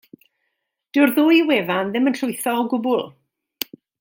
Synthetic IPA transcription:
d̥ɪwrðʊːjweːvanðɪmənɬʊɨθɔɔɡʊbʊlˠ

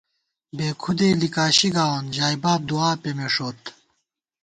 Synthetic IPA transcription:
beːkʰud̪eːlikaːɕiɡaːwonʑaːjbaːb̚d̪uaːpemeʂoːt̪

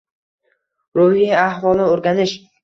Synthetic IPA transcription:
ɾʊhiahvɒlˠnɪoɾɡʲanɪʃ

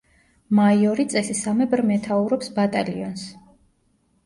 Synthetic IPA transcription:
maiɔɾit̪sʼɛsisamɛbɾmɛt̪ʰauɾɔpsbat̪ʼa̰liɔns

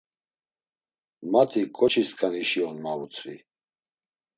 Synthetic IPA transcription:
mat̪ʰikʼɔt͡ʃʰiskʼaniʃiɔnmaut͡sʰʼvḭ

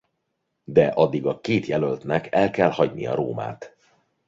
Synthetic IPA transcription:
d̪ɛʔɒd̪ːiɡɒkeːt̪jɛlølt̪nɛkɛlkɛlhɒɟnḭjɒ̰ɾo̰ːma̰ːt̪

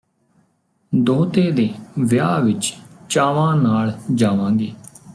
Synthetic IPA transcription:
d̪oːt̪eːd̪eːʋjaːʋɪt͡ʃt͡ʃaːʋãːnaːld͡ʒaːʋãːŋɡeː

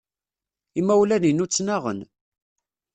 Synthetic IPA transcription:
imːæwlæninut͡sːnaʁə̰n

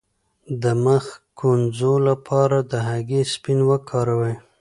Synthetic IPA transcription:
d̪əməxkʰonzolapʰɑɾad̪əɦaɡespinwəkʰɑɾawəj

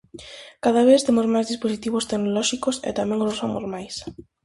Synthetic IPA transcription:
kaðaβ̞eθt̪emozmajzðisposit̪iβost̪eknolɔʃikosḛt̪amɛ̃ŋoosfomo̰zmajs

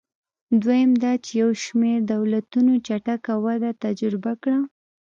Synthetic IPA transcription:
d̪wajamd̪ɑt͡ʃejawʃmeɾd̪awlat̪unot͡ʃaʈakawad̪at̪ad͡ʒɾɪbakɽa

